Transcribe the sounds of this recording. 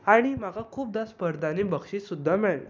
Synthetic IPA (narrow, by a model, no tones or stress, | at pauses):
aɽ̃im̤aɡakʰuːp̚d̪aspəɾd̪ʱanebəɡʂisud̪ʱːamɛɭla̰